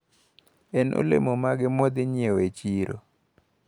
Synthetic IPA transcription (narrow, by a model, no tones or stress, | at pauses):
ɛnʔo̰lḛmomaɡɪmod̪ɪɲjewet͡ʃiɾʔo̰